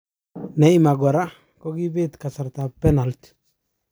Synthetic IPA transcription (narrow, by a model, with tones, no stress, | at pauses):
ne˨i˦ma˨ɡwa˨ɾa˦ | ko˦ɡi˦be˦t̪ka˨sa˨ɾt̪a˨pe˦na˨lt̪